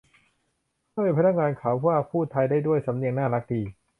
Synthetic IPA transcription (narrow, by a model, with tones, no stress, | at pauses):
kʰa˥˩e˧˩pʰa˧na˦˥k̚ŋaː˧nkʰaː˩˦wwaː˥˩pʰuː˥˩t̪ʰa˧jdaː˥˩jdu˥˩əjsa˨˩˦mni˧əŋnaː˥˩la˦˥k̚diː˧